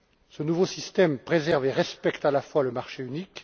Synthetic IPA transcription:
sənuvosist̪ɛmpχezɛʁveʁɛspɛkt̪alafwaləmaʁʃeynik

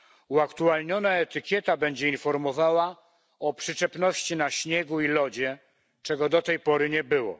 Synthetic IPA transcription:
uakt̪ualɲɔnaɛt̪ɘkʲjɛt̪abɛɲd͡ʑɛinfɔɾmɔvawa | ɔpʂɘt͡ʂɛpnɔɕt͡ɕinaɕɲɛɡuilɔd͡ʑɛ | t͡ʂɛɡɔd̪ɔt̪ɛjpɔɾɘɲɛbɘwɔ̰

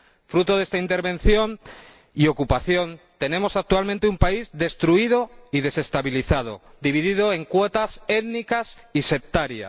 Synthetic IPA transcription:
fɾut̪o̞ð̞e̞st̪aint̪e̞ɾβẽ̞n̟θjo̞n | io̞kupaθjo̞nt̪e̞nẽ̞mo̞sak̚t̪ualment̪eumpaizd̪e̞st̪ɾuið̞o̞ið̞e̞se̞st̪aβiliθað̞o̞̰ | d̪iβ̞iðið̞o̞e̞ŋkwot̪ase̞ðnikas | ise̞p̚t̪aɾja̰

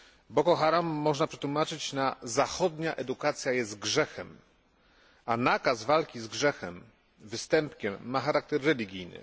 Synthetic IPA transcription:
bɔkɔxaɾamːɔʐnapʂɛ̥t̪wumat͡ʂɘt͡ɕnazaxɔd̪ɲaʔɛd̪ukat̪sʲjajɛst̪ɡʐɛxɛm | anakazvalkʲizɡʐɛxɛm | vɘst̪ɛmpkʲɛmːaxaɾak̚t̪ɛɾːɛlʲiɡʲijnɘ̰

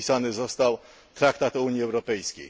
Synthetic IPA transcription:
isanɘzɔst̪aw | t̪ɾakt̪at̪uɲjiɛwɾɔpɛjskʲḛj

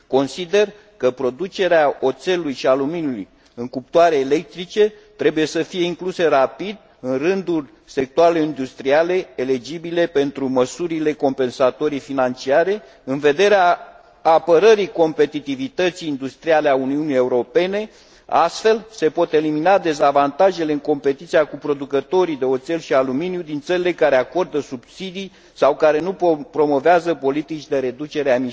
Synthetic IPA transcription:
ko̞nsid̪e̞r | kəpɾo̞d̪ut͡ʃe̞ɾeao̞t̪se̞lujʃialuminuluj | ɨŋkup̚t̪uwaɾe̞ːle̞k̚t̪ɾit͡ʃe̞ | t̪ɾebuje̞səfije̞iŋkluse̞rapid̪ | ɨnrɨnd̪ulʲ | se̞k̚t̪uaeleind̪ust̪ɾiale̞eled͡ʒibile̞pe̞nt̪ɾuməsuɾile̞ko̞mpe̞nsat̪o̞ɾifinant͡ʃiaɾe̞ | ɨnve̞d̪e̞ɾeaː | pəɾəɾiko̞mpe̞t̪it̪ivit̪ət̪siːnd̪ust̪ɾiale̞auniunije̞uɾo̞pe̞ne̞ | ast̪fe̞lse̞po̞t̪e̞liminad̪e̞zavant̪aʒe̞leɨŋko̞mpe̞t̪it̪siakupɾo̞d̪ukət̪o̞ɾid̪e̞o̞t̪se̞lʃialuminjud̪int̪səɾile̞kaɾe̞ako̞rd̪əsubsid̪ij | sawkaɾe̞nupɾo̞mo̞veazəpo̞lit̪it͡ʃʲd̪e̞ɾe̞d̪ut͡ʃe̞ɾeami

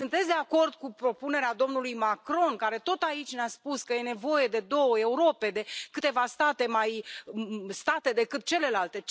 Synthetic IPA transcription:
sɨnt̪esʲd̪eako̞rd̪̚kupɾo̞pune̞ɾead̪o̞mnulujmakɾo̞nkaɾe̞t̪o̞t̪ait͡ʃʲneaspuskəje̞ne̞vo̞je̞d̪e̞d̪o̞wəe̞uɾo̞pe̞d̪e̞kɨt̪e̞vast̪at̪e̞maj | st̪at̪e̞d̪e̞kɨt̪̚t͡ʃe̞le̞lalt̪e̞

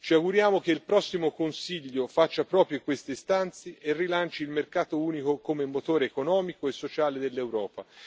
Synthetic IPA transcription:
t͡ʃiaɡuɾjaːmok̟eilpɾɔsːimokonsiʎːofat͡ʃːapɾɔːpɾjokwest̪est̪ant̪seʔerːilant͡ʃiːlmerkaːt̪ouːnikokomemot̪oːɾeːkonɔːmikoesːot͡ʃaːled̪elːewɾɔːpa

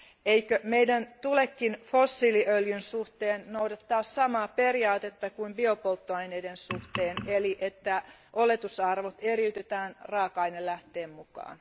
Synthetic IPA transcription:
eikømeidænt̪ulekːinfosːiliʔøljynsuht̪eːnnoudɑt̪ːɑːssɑmɑːpe̞riɑːt̪et̪ːɑkuimbiopolt̪ːoɑjneidensuht̪eːneliʔet̪ːæ | ʔolet̪usɑrʋot̪eriyt̪et̪æːnrɑːkɑinellæht̪eːmmukɑ̰ːn

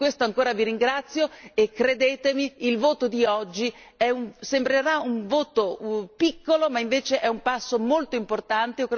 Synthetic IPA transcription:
kwest̪oaŋkoːɾaviɾiŋɡɾat̪sːjoekːɾed̪eːt̪emiːlvoːt̪od̪iɔd͡ʒːiɛuɱsembɾeɾauɱvoːt̪opikːolomaiɱveːt͡ʃeʔɛumpasːomolt̪oimport̪ant̪eokː

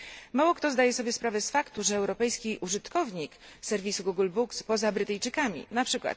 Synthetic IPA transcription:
mawɔkt̪ɔzd̪ajɛsɔbʲjɛspɾavɛsfakt̪uʐɛːwɾɔpɛjskʲiʔuʐɘt̪kɔvɲiksɛɾvʲisuɡuɡulbukspɔzabɾɘt̪ɛjt͡ʂɘkamʲḭnapʂɘkwa̰t̪

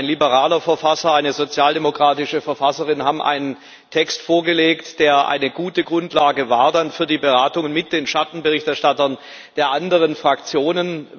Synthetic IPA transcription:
ɪnlibəʁaːlɐfɛɐfasɐaɪnəzot͡sjaːldemokʁ̥aːtɪʃəfɛɐfasəʁɪnɦaːbmʔa̰ɪnən | tʰɛkstfoːɐɡəleːktd̥eːɐʔa̰ɪnəɡuːtəɡʁʊntlaːɡəva̰ːɐdanfyːɐdiːbəʁaːtʊŋənmɪt̚d̥eːnʃatn̩bəʁɪçtɛɐʃtatɐn | d̥eːɐʔandəʁənfʁ̥akt͡sjoːnən

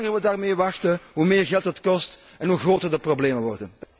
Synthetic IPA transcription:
ŋərʋədaːrmeːʋɑxtəɦumeːrɣɛlˠtətkɔst | ɛnɦuɣroːtərdəprobleːməʋɔrdən

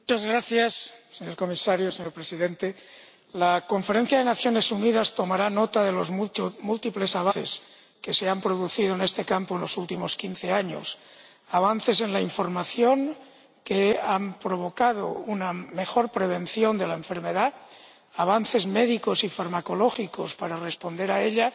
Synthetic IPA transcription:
mut͡ʃazɣɾaθjasseɲoɾko̞misaɾjoseɲo̞ɾpɾesiðent̪e | lako̞ɱfe̞ɾe̞n̟θjaðe̞naθjo̞ne̞suniðast̪o̞maɾanot̪aðe̞lo̞zmmult̪iple̞saβae̞̰s | ke̞seampɾo̞ðuθið̞oene̞st̪e̞kampoe̞nlo̞sult̪imo̞skinθe̞aɲo̞̰s | aβ̞anθe̞se̞nlaiɱfo̞ɾmaθjo̞ŋ | keampɾoβ̞o̞kað̞o̰uname̞xo̞ɾpɾeβ̞e̞nθjo̞nd̪elaeɱfe̞ɾme̞ða | aβ̞anθe̞zmeðikosifaɾmako̞lo̞xiko̞spaɾare̞spo̞nd̪e̞ɾaeʎa

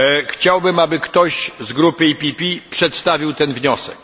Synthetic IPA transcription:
xt͡ɕawbɘmabɘkt̪ɔɕzɡɾupɘipʲipʲipʂɛt̪st̪avʲiwt̪ɛnvɲɔsɛk̚

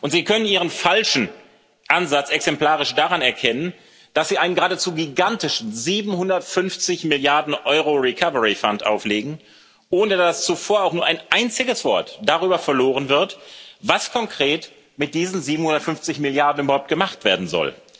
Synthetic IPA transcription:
ʔʊntz̥iːkʰœnəniːʁ̞ənfalʃn̩ | ʔanzat͡sʔɛksɛmpl̥aːʁɪʃd̥aːʁanɛɐkʰɛnən | d̥asz̥iːaɪnənɡəʁaːdət͡suːɡiɡantɪʃn̩ziːbm̩hʊndɐtfʏnft͡sɪçmɪljaɐdn̩ʔɔʏʁoʁikʰavəʁifantʔa̰ʊfleːɡŋ̩ | ʔoːnədast͡sufoːɐaʊxnuːɐʔaɪnʔaɪnt͡sɪɡəsv̥ɔɐtd̥aʁ̞yːbɐfɛɐloːʁənvɪɐtvaskʰɔŋkʁ̥eːt | mɪt̚d̥iːzn̩ziːbm̩hʊndɐtfʏnft͡sɪçmɪljaɐdn̩ybɐhaʊp̚t̚ɡ̥əmaχtv̥eːɐdn̩zɔ̰l

